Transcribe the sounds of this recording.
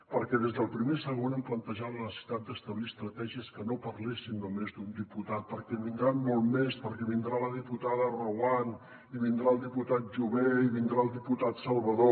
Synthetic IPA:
pəɾkɛðezðəlˠpɾimesəɣ̞onemplənt̪əʒat̪ləsi̥t̪at̪̚d̪əst̪əβliəst̪ɾət̪ɛʒiəskənopərlesind̪umezd̪und̪iput̪at̪̚pəɾkɛβind̪ɾanmolˠmespəɾkɛβind̪ɾaləðiput̪aðərowan | iβind̪ɾaəlˠd̪iput̪at̪̚ʒuβeiβind̪ɾaəlˠd̪iput̪at̪səlˠβəðo

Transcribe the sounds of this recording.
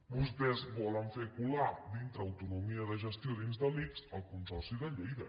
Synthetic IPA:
bust̪ɛzβɔləɱfekulad̪int̪ɾəːwt̪unumiəðəʒəst̪ioðinzðəliksəlˠkunsɔrsiðəʎejðə

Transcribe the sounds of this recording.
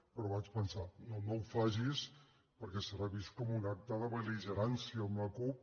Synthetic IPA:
pɾɔβat͡ʃpənsanonowfaʒis | pəɾkɛsərəβiskɔmunak̚t̪əðəβəliʒəɾansiəːmləkup̚

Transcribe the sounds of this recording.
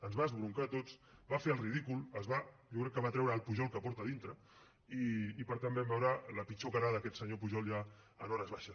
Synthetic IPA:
ənzβaəzβɾuŋkat̪ot͡sbafeəlˠriðikulˠəzβa | ʒɔkɾɛkːəβat̪ɾɛwɾəːlˠpuʒɔlˠkəpɔɾt̪əðint̪ɾə | iːpəɾt̪ambɛmbɛwɾələpit͡ʃokaɾaðəkɛt̪səɲopuʒɔlˠja | ə̰nɔɾəzβaʃəs

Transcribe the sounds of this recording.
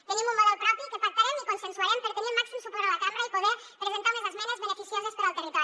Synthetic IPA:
t̪eɲẽmũmoðolpɾɔpjokepak̚t̪aɾemikonsenswaɾempeɾk̪eɲemmaksimusupoɾalakamaɾaipoðeɾ | pɾeβent̪aɾmezazmẽnazβenefisjosespaɾalt̪erit̪ɔ

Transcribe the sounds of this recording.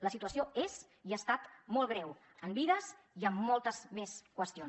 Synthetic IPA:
ləsit̪uəsioez | iast̪at̪mɔlˠɣ̞ɾɛw | əmbiðəz | iəmːɔlˠt̪əzmeskwəst̪ion

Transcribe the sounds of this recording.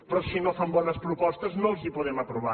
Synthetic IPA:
pɾɔsinofambɔnəspɾupɔst̪əznolˠzipuðɛməpɾuβa

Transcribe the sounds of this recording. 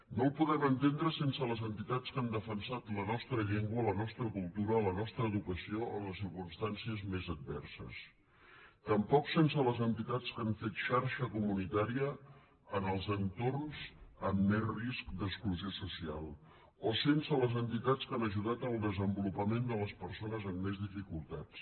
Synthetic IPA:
nolˠpuðɛmənt̪end̪ɾəsensələzənt̪it̪at͡skand̪əfənsat̪lənɔst̪ɾəʎeŋɡwələnɔst̪ɾəkulˠt̪uɾələnɔst̪ɾəːðukəsiooləsiɾkunst̪ansiəzmezəd̪̚bɛ̰rsə̰s | t̪əmpɔksensələzənt̪it̪at͡skaɱfet̪ʃaɾʃəkumunit̪aɾiə | ənəlˠzənt̪ornzəmːezriskd̪əkskluziosusia̰lˠ | osensələzənt̪it̪at͡skanəʒuðat̪əlˠd̪əzəmbulupəmend̪ələspəɾsonəzəmːezðifikulˠt̪at͡s

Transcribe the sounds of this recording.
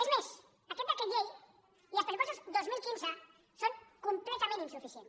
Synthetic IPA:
ezmes | akɛt̪̚d̪akeʎej | iləspəɾiposuzd̪ozmilˠkinzə | soŋkumplɛt̪amẽninsufisjen

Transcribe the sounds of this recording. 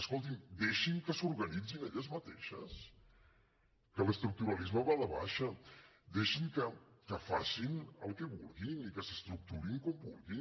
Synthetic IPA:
əskɔlˠt̪̬ind̪eʃiŋkəsuɾɣɐnid͡zineʎəzmət̪ḛʃə̰s | kələst̪ɾuk̚t̪uɾalizməβaləβa̰ʃə | d̪eʃiŋkəkəfasinəlˠkɛβṵlˠɣinikəsəst̪ɾuk̚t̪uɾiŋkɔmbulˠɣi

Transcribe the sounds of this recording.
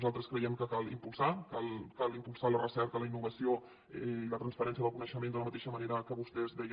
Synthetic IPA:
zalˠt̪ɾəskɾəjɛmkəkalḭmpulˠsakalˠkalimpulˠsalərəsɛɾkələinːuβəsio | ilət̪ɾənsfəɾɛns̬jəðəlˠkunəʃəmend̪ələmət̪eʃəməneɾəkəβust̪ɛzβɛj

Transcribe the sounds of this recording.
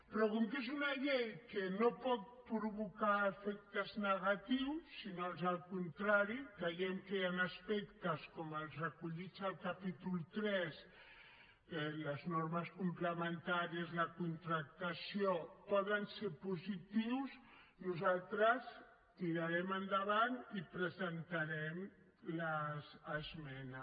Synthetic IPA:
pɾɔkuŋkezunaʎejkenopɔt̪̚pɾuβukaefɛk̚t̪əznəɣat̪iwsːinolzalkunt̪ɾaɾikejɛmkeanaspɛkt̪əskɔməlˠzakuʎit͡salkapit̪ulˠt̪ɾɛz | eləznoɾməskumpləmənt̪aɾiəzlɐkunt̪ɾak̚t̪asijopɔðənseɾpuzit̪iws | nuzalˠt̪ɾəs | t̪iɾaɾɛmand̪aβanipɾəzənt̪aɾɛm | lazːzmɛna

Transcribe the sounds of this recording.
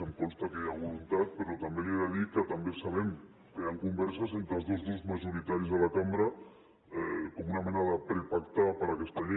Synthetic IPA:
əmkɔnst̪akɛʎaβulunt̪at̪̚pəɾɔt̪ambeleaðikət̪ambesaβ̞ɛm | kəjaŋkumbɛɾsəzent̪ɾəlˠzðozðozmaʒuɾit̪aɾizðəlakamɾə | ɛkɔmunamɛnaðəpɾepakt̪apəɾakɛst̪aʎe

